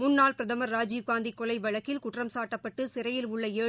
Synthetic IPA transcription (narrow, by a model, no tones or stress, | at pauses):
mʊnːaːlpɾɐðɐmɐɾːaːd͡ʒikːaːnd̪ikːɔlɐɪʋɐɭɐkːɪlkʊʈrɐmsaːʈːɐpːɐʈːɯsɪɾɐjɪlʊɭːɐeː